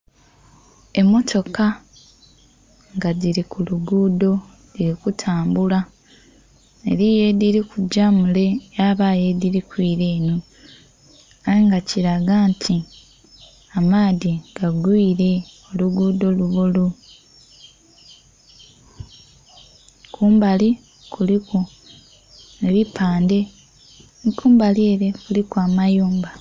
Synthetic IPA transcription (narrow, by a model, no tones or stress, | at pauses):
e̞mːo̞tʰo̞ka | ŋɡadiɾikuluɡuːdo̞ | diɾikutʰaːmbula | ḛɾije̞ðiɾikuɟamule̞jaβaːje̞ðiɾikwiːɾe̞ːno̞ | ajeŋɡaciɾaɡaːntʰi | amaːðiɡ̥aɡwiːɾe̞o̞luɡuːdo̞luβulu | kʰuːmbali | kuliko | eβipʰaːnde̞ | nkuːmbalieːɾekulikwaːmajuːmba